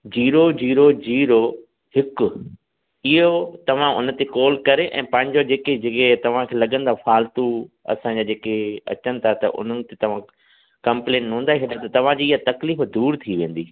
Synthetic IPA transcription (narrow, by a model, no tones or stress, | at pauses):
d͡ʑiːɾod͡ʑiːɾod͡ʑiːɾo | hɪkʊ | ɪɦot̪ɐʋ̤ãʊ̰nt̪ekɔːlkɐɾeʔɛ̰̃ːpɐ̃ɦɪ̃ɲd͡ʑod͡ʑeːked͡ʑeːket̪ɐʋ̤ãkʰelɐɠə̃nd̪afaːlt̪uɐ̰sãɲd͡ʑaːd͡ʑeːkeɐ̰t͡ɕənɪ̆t̪ʰat̪ɐ̰ʔʊ̰n̤ənɪ̆t̪et̪ɐʋ̤ã | kɐ̃mplẽːnɦũːn̆d̪aːeɦeɗat̪ɐt̪ɐʋ̤ãd͡ʑiːɪɦat̪ɐkliːfd̪uːɾt̪ʰiʋẽːn̆d̪iː